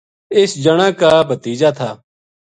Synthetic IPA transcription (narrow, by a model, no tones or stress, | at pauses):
ɪsd͡ʒəɽ̃ãːkaːbʱət̪iːd͡ʒaːt̪ʰaː